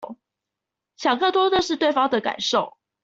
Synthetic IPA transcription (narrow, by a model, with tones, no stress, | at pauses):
ɕjɑ˨˩ŋkɤ˥˩t̪wɔ˥d̪ə˨ʂɻ̩˥˧t̪we˥˩ɪfɑ˥ŋd̪ə˨ka̰˨˩˦nʂo˥˩ʊ